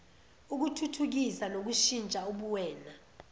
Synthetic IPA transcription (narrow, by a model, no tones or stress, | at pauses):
uk̬utʰutʰuk̬isanok̬uʃint͡ʃʼauɓuwɛːna